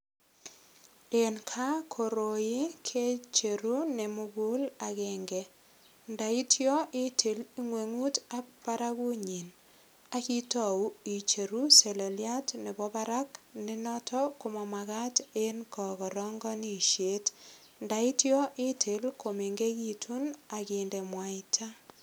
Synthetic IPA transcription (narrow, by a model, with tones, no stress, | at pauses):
e˨nkʰa˦kʰo˨ɾo˨jɪ˦kʰe˦t͡ʃe˨ɾu˦ne˨mʊ˦ɡʊ˦la˨ɣɛ˨ŋɡɛ˨ | nda˨i˦tjɔ˦ʔɪ˦tʰe˨li˦ŋwe˨ŋu˦ta˦pa˦ɾa˦ku˦ɲi˨n | a˦ki˦tɔ˨u˨˦i˨t͡ʃe˨ɾu˦se˨le˨lja˦tne˨bɔ˦ba˦ɾa˦kne˦nɔ˦tʰɔ˦ko˨mɔ˨ma˨ɣa˦te˦nkɔ˨ɣɔ˨ɾɔ˦ŋɡɔ˦ni˦ʃje˦t | nda˨i˦tjɔ˦ʔɪ˦tʰe˨lkʰo˨me˨ŋɡe˦ki˦tʰu˦na˨kɪnde˨mwa˨ɪtʰa˦